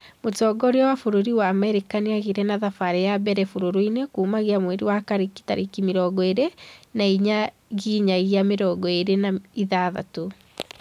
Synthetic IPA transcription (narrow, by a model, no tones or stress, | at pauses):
motɔːɡɔɾeɔwafoɾoɾiwaːmɛɾekaniaɣiɾɛnaðafaɾɛjabɛɾɛfoɾoɾoinekuːmaɣiamwɛɾiwakaɾiki̥taɾʔikimeɾɔːɡɔeɾenaiɲa | ɣiɲaɣiameɾɔɡɔeɾenaiðaða̰to